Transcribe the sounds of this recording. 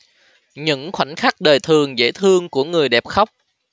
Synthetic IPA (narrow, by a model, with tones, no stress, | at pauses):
ɲɨ̰˧˥ŋxwa˧˩nxa˦˥k̚ɗəː˨˩jt̪ʰɨ˨˩əŋzḛ˧˥t̪ʰɨ˧əŋku˧˩əŋɨ˨˩əjɗɛ˨˩p̚xə˦˥wk͡p̚